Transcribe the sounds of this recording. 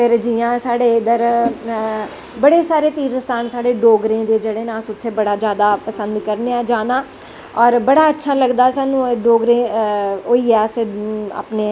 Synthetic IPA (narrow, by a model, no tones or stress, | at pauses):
pɪɾd͡ʒiãːsaːɽeːd̪əɾ | bəɽeːsaːɾeːt̪iːɾsaːnsaːɽeːɖoːɡɾẽːd̪eːd͡ʒeːɽeːnãːsʊt̪ʰːeːbəɽaːd͡ʒjaːd̪aːpəsənd̪kəɾneːãːd͡ʒaːnaː | ɔːɾbəɽaːətːʃʰaːləɡd̪aːsaːnũːɖoːɡɾẽːoːiːɛːsa̰ːpneː